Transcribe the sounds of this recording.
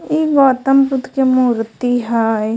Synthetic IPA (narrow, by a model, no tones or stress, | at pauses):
iɡɔːt̪əmpʊt̪kemuːɾt̪iɦaːj